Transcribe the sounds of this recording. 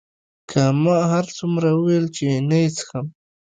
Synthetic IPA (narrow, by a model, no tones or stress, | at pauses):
kʰamaɦaɾt͡sumɾawəwelt͡ʃenajt͡sə̥xam